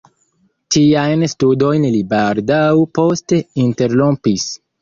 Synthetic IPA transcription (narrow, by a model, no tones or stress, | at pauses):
tiajnstudo̞jnlibaldawpo̞ste̞inte̞ɾlompis